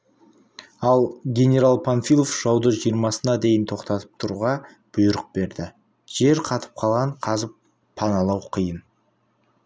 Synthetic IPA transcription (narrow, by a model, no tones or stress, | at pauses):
ɑlˠɡʲe̞nʲe̞ɾalˠpʰanfilˠofʒ̥ɑwd̪əʒijəɾmɑsənɑd̪e̞jənt̪ʰo̞qt̪ɑt̪ə̥p̚t̪ʰʊɾuʁɑ | b̥ʊjəɾəq̚b̥e̞ɾd̪ɪ | ʒ̥e̞ɾqʰɑt̪ʰə̥p̚qʰɑlˠʁɑɴqʰɑzəpʰː | ɑnɑlˠɑwqʰəjən